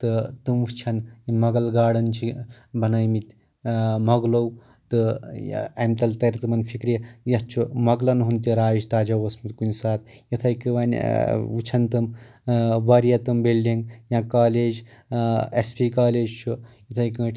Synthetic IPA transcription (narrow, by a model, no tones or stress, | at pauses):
t̪ɨt̪ɨmut͡ʃʰɐnimɐɡɐlɡaːɽɐnt͡ʃʰi | bɐnɐjmit̪ʲ | mɐɡlow | t̪ɨ | ɐ̰mt̪ɐlt̪ɐɾt̪ɨmɐnfʰikɾejɐt͡ʃʰumɐɡlɐnɦunt̪iɾaːd͡ʒt̪aːd͡ʒɐʋɐsmut̪kunʲsaːt̪̚jɐt̪ʰɐjkɨʋanʲut͡ʃʰɐnt̪ɨm | ʋɐɾijɐt̪ɨmbelːiŋɡjãːkaːleːd͡ʒ | ḛspiːkaːleːd͡ʒt͡ʃʰujit̪ʰɐjkə̃ːʈʲ